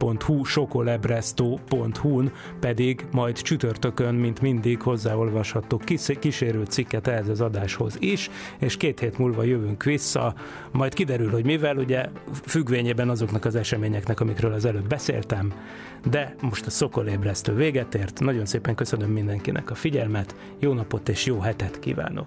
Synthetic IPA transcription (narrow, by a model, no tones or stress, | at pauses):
po̞nt̪huʃo̞ko̞lɛbrɛst̪oːpo̞nt̪hun | pɛd̪iɡmɒjd̪t͡ʃyt̪ørt̪ø̞kønmint̪mind̪iɡho̞zːaːo̞lvɒʃhɒt̪oːkkiʃeːɾylt̪sikːɛt̪ɛɦɛzɒzɒd̪aːʃho̞̰ziʃ | eːʃkeːt̪heːt̪muːlvɒjøvyŋkʋisːɒ̰ | mɒjt̪kid̪ɛɾylho̞ɟmivɛluɟɛfyɡʋeːɲeːbɛnɒzo̞knɒkɒzɛʃɛmeːɲɛknɛkɒmikɾøːlɒzɛløːbbɛsḛːlt̪ɛm | d̪ɛmo̞ʃt̪ɒso̞ko̞leːbrɛst̪øːveːɡɛt̪eːrt̪nɒɟo̞nseːpɛŋkø̞sø̞nø̞mːind̪ɛŋkinʔɛ̰kɒfiɟɛlmɛt̪ | joːnɒpo̞t̪eːʃjoːɦɛt̪ɛt̪kḭːva̰ːno̞̰k